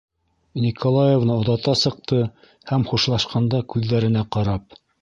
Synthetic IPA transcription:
nʲikʰolˠajevnɤŏðɑt̪ɑsɤ̆q̚t̪ɤ | hæmχuʃlˠɑʃqɑnd̪ɑkʉðːæɾɘ̆næqɑɾɑp̚

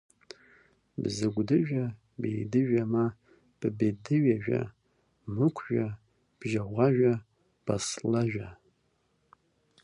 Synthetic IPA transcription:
bzɨɡʷdɨʒʷᶣa | bḛjdɨʒᶣʷama | b̥ɨbedɨɥaʒᶣʷa̰ | mɨkʷʰʒʷᶣa | b̥ʒaʁʷɑʒʷᶣa | b̥a̰slaʒʷᶣa

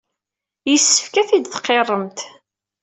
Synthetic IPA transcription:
jəsːə̥fkæθid̪θqːerˤːəmt̪

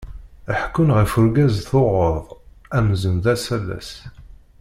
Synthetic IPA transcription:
əħkːʊnʁifʊɾɡæzθoʁəðˤæmzənðæsælːæ̰s

